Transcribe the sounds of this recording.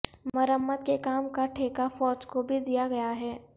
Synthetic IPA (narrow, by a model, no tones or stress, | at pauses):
mɐɾəmːət̪̚kekaːmkaʈʰeːkafɔːd͡ʒkobʱid̪ijaɡɐjaɦɛː